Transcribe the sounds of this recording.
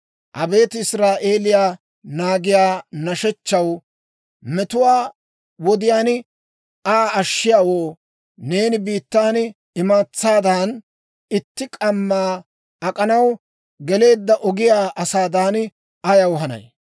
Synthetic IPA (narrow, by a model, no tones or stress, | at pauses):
ʔɐbe̞ːt̪ɪsɾaːʔe̞ːlɪjaː | naːɡɪjaːnɐʃɛt͡ʃːɐw | mɛt̪ʊwaː | wɔd̪ɪjaːnɪ | aːɐʃːɪjaːwoː | ne̞ːnɪbiːt̪ːaːn | ɪmaːt͡sːaːd̪aːn | ɪt̪ːɪkʼɐmːaː | ɐkʼɐnɐw | ɡɛle̞ːd̪ːɐʔɔɡɪjaːʔɐsaːd̪aːn | ʔɐjɐwɦɐnɐ̰j